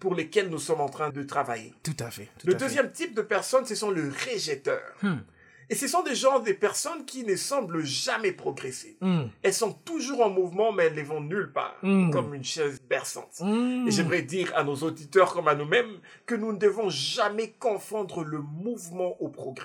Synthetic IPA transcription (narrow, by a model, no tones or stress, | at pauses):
puʁlekʲɛlnusɔmɑ̃t̪χɛ̃d̪ət̪χavajḛt̪ut̪afɛləd̪øzjɛmt̪ip̚d̪əpɛʁsɔnsəsɔ̃ləʁeʒɛt̪œ̰ːʁ | esəsɔ̃d̪eʒɑ̃d̪epɛʁsɔnkʲinəsɑ̃bləʒamɛpχɔɡʁɛse̥ɛlsɔ̃t̪uʒuʁɑ̃muvmɑ̃mɛɛllevɔ̃nylpa̰ːʁkɔmynʃɛzbɛʁsɑ̰̃t̪eʒɛmʁɛd̪iʁa̰nozod̪it̪œʁkɔmanumɛm | kənunəd̪əvɔ̃ʒamɛkɔ̃fɑ̃d̪ʁələmuvmɑ̃ʔopχɔɡʁɛ